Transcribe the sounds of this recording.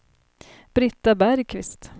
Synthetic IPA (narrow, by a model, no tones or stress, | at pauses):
b̥ɾɪt̪ːabæɾjkʰvɪst̪